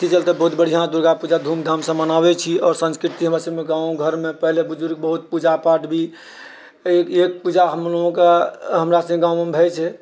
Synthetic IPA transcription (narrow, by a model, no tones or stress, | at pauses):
t̪ʰit͡ʃəlt̪ebəɦut̪̚bəɽ̤ijãd̪uɾɡapud͡ʒad̪ʱumd̪ʱamsə̃mənabɛt͡ʃʰiɔːɾsə̃nskɾit̪iɦəmɾasəbmeɡãũɡʱəɾmepəɦlebud͡ʒuɾɡ̚bəɦut̪̚pud͡ʒapaʈbʱi | ekek̚pud͡ʒaɦəmloɡõkeɦəmɾasə̃ɡãw̃membʱɛt͡ʃʰɛ